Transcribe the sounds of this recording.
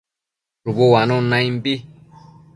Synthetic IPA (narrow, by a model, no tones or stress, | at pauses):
ɾuβowanõnãĩmbi